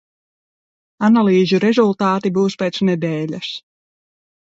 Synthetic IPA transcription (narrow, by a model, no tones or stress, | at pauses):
analˠiːzuɾɛzulˠt̪aːt̪ibuːspʲeːt̪snɛd̪ɛːlʲas